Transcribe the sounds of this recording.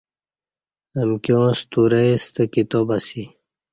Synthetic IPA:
əmkjõːst̪uɾeist̪əkit̪obasi

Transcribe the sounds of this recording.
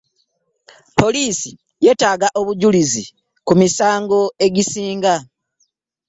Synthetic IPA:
po̞liːsi | je̞ːtaːɡaʔo̞βuɟulizi | kumisaːŋɡo̞e̞ɟisiːŋɡa

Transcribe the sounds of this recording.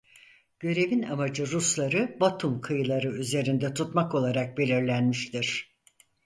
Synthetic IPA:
ɟ̥ø̞ɾe̞vinamad͡ʒɯɾuslˠaɾɯbat̪ʰumkʰɯjɯlˠaɾɯyze̞ɾind̪ɛt̪ʰut̪mako̞lˠaɾak̚be̞lʲiɾlʲænmiʃt̪iɾ̥

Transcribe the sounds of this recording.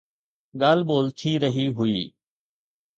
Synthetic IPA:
ɠaːlboːlt̪ʰiːɾəɦiːɦʊiː

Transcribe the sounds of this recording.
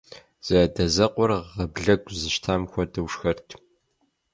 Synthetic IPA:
z̥ɐdɐzɐqʷɔrʁɐbɮɐɡʷʼzɨʃtʰaːmxʷɔdɐwʂxɐrtʰ

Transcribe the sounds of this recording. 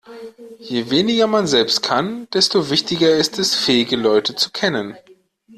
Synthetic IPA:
jeːveːnɪɡɐmanzɛlpst̚kʰand̥ɛstovɪçtɪɡɐɪstɛsfɛːɪɡəlɔʏtət͡su̥kʰɛnən

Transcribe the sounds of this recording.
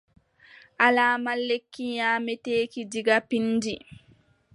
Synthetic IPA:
ʔalaːmalːekːiɲaːmɛteːkidiɡapindi

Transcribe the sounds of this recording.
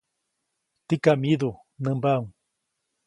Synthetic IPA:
t̪ikamiðu | nəmbauŋ

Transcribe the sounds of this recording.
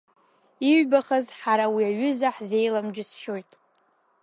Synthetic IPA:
iɥbaχazħaɾawiaɥʏzaħze̞jlamd͡ʒɪsʃo̞jtʼ

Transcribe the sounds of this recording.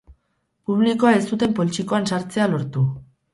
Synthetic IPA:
puβ̞liko̞ae̞st̪ut̪e̞mpo̞lit͡ʃiko̞ansaɾt͡se̞alo̞ɾt̪u

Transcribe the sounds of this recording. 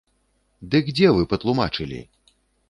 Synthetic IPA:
d̪ɨkːd͡zʲɛvɨpɐt̪lˠuma̰t͡ʂɨlʲḭ

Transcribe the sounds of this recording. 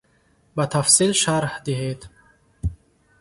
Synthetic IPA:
bat̪ʰafsilʃaɾhd̪iɦed̪

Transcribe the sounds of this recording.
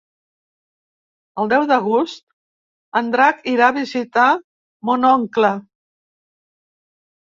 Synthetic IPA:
əlˠd̪ɛwðəɣ̞ust̪̚ | ənd̪ɾakiɾaβizit̪a | munɔŋklə

